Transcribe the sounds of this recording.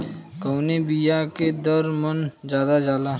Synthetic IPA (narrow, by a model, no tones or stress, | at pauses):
kəːnebijaked̪əɾmənd͡ʒjaːd̪ad͡ʒaːla